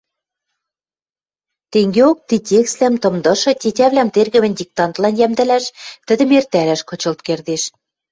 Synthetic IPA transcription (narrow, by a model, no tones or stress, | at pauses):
t̪eŋɡeok̚t̪itʲekst̪læmt̪ɤ̆md̪ɤ̆ʃɤ̆tʲetʲæβlæmt̪erɣɘ̆mɘ̆nʲdʲik̚t̪ɑnt̪lɑnjæmd̪ɘ̆læʃt̪ɘ̆d̪ə̆mert̪æɾæʃkɤ̆t͡ɕɤ̆lt̪̚kerd̪eʃ